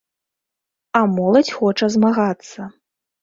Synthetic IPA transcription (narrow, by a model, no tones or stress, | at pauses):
amɔlˠɐt͡sʲxɔt͡ʂɐzmaɣat̪sːɐ